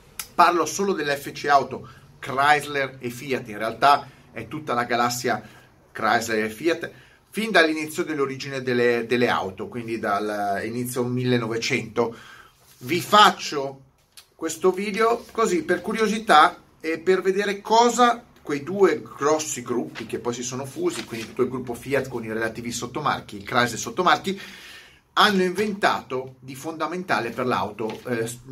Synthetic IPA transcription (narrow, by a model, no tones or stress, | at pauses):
parlosoːlod̪elːɛfːet͡ʃiawt̪o | kɾajzlerefiat̪ːinrealt̪a | ɛt̪ːut̪ːalaɡalasːja | kɾajzleɾefiat̪ | find̪alːinit̪sːjod̪elːoɾid͡ʒined̪elːed̪elːea̰wt̪okwind̪id̪alinit̪sːjomilːenːovet͡ʃɛnt̪o | vifat͡ʃːo | kwest̪oviːd̪eokoziperkuɾjozit̪a | eperved̪eːɾekɔːza | kwejd̪uːeɡ̥ɾɔsːiɡɾupːikepːɔjsisoːnofuːzikwind̪it̪u̥t̪ːoilɡɾupːofiat̪konirelat̪iːvisot̪ːoma̰rk̟iilkɾajzesot̪ːomark̟i | anːoĩɱvent̪a̰ːt̪od̪ifond̪ament̪a̰ːleperla̰wt̪o